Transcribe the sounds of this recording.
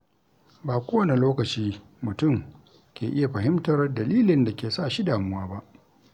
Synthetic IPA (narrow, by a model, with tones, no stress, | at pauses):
baː˨kʷoː˦wɐ˦ne˨loː˦kɐ˨t͡ʃiː˦ | mʊ˨tʊ˦˨m | kʲʰeː˨ʔɪ˦ja˨ɸɐ˨ɦɪ˦mtɐ˨rdɐ˨liː˦lɪ˨nda˨kʲeː˨sa˦˨ʃi˦daː˨mʊ˦waː˦ba˦ʔ